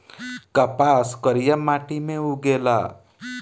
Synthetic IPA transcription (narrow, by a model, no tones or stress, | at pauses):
kəpaskəɾijəmaʈimẽuɡela̰ː